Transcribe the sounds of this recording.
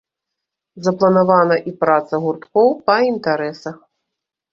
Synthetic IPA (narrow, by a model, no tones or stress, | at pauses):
zɐplˠɐnavanɐʔipɾat̪sɐɣurt̪kɔwpɐint̪aɾɛsɐx